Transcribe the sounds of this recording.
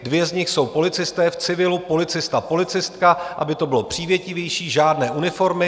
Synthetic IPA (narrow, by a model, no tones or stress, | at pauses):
dvjɛzɲɪxso̞wpo̞lɪt͡sɪst̪ɛːft͡sɪvɪlupo̞lɪt͡sɪst̪apo̞lɪt͡sɪst̪kaʔa̰bɪt̪o̞bɪlo̞pr̝̥iːvjɛcɪvjɛjʃiːʒaːdnɛːʔunɪfo̞ɾmɪ